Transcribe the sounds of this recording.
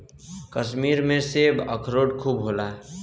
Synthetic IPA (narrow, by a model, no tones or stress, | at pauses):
kəsmiɾmẽsebəkʰɾoʈkʰubɦola